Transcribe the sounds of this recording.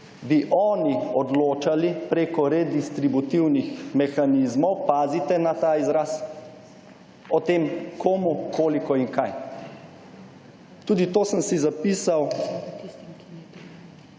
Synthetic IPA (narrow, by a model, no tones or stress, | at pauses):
biʔɔːniɔd̪loːt͡ʃalipɾeːkɔɾɛd̪ist̪ɾibut̪iwnixmɛxanizmɔwpaːzit̪ɛnat̪aːizɾaːs | ɔt̪eːmkʰoːmukʰoːlikɔiŋkaj | t̪uːd̪it̪oːsəmsizapiːsaw